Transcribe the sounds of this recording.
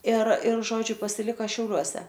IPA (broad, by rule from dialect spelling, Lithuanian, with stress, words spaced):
ɪr ɪr ˈʒoːd͡ʒʲʊ pɐsʲɪˈlʲɪkɐ ʃʲɛʊˈlʲuɔsʲɛ